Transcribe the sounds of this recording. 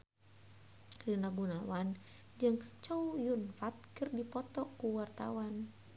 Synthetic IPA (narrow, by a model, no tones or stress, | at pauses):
rinaɡunawan | d͡ʒɨŋt͡ʃaujunfat̪̚kirdipɔt̪ɔkuwart̪a̰wan